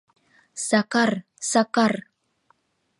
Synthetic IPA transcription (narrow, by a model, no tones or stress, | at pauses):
sakar | sakar